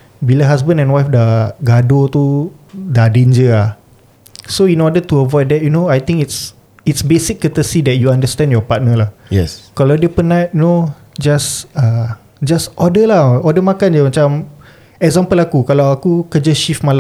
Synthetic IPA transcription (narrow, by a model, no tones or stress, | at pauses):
bilaɦasbə̃ndɛ̃nwajfdaɡadot̪u | dadend͡ʒəlah | soinɔdət̪uəvɔjdɛt̚junoajt̪ĩŋkits | itsbesikːət̪əsidɛt̚juandəstɛ̃ndjɔpat̚nəlahjɛ̰skalawdiəpənajuno | d͡ʒasa | d͡ʒasɔdəlahɔdəmakand͡ʒəmat͡ʃam | ɛk̚zãmpəlakukalawakukəd͡ʒəʃifmal